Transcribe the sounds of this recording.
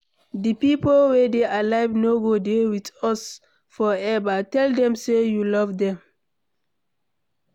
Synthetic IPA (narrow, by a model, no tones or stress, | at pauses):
dipipolwɛdeʔalaɪvnoɡodewitɔs | fɔɛvatɛldɛ̃msejulɔvdɛ̃m